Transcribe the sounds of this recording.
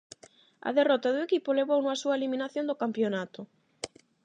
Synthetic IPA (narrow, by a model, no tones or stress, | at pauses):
ɐ̰ðerɔt̪aðʊekipʊleβownʊɐsuɐeliminaθjond̪ʊkampjonat̪ʊ